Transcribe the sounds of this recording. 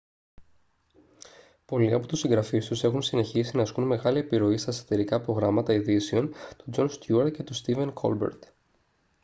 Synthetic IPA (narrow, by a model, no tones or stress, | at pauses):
po̞liɐpo̞t̪usiŋɡɾɐfist̪use̞xunsine̞çisinɐskunme̞ɣɐliepiɾo̞ist̪ɐeso̥t̪e̞ɾikɐpɾo̞ɣɾɐmɐt̪ɐiðiseo̞nt̪od͡ʒo̞nst̪juɐɾce̞t̪ost̪ive̞nkʰo̞̰lbḛɾt̪